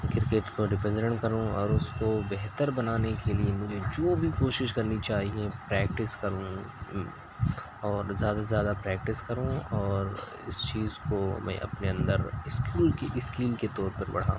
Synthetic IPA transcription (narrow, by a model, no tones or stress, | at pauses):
kɪɾkeːʈkoɖɪpɛ̃nɖə̃ɳʈkɐɾũɔ̰ːɾʊskobɛɦt̪əɾbɐnaːnekeliemʊd͡ʒʱed͡ʒoːbʱikoːʃɪʃkɐɾnit͡ʃaːɦiepɾɛːk̚ʈɪskɐɾũ | ɔːɾzjaːd̪azjaːd̪apɾɛːk̚ʈɪskɐɾũːɔːɾ | ɪst͡ʃiːzkomɛ̰̃ʔɐ̰pneɐ̃nd̪əɾɪskuːlkeʔɪskiːlket̪ɔːɾpɐɾbɐ̰ɽ̤a̰ːũ